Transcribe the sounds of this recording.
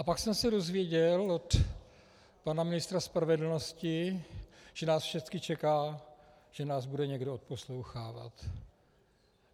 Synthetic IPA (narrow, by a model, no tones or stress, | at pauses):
ʔapaksɛmsɛdo̞zvɪjɛɟɛlo̞t̪ | panamɪnɪst̪ɾaspɾavɛdl̩no̞scɪ | ʒ̥ɛnaːsfʃɛt͡skɪt͡ʃɛkaː | ʒ̥ɛnaːzbudɛɲɛɡdoot̪̚po̞slowxaːva̰t̪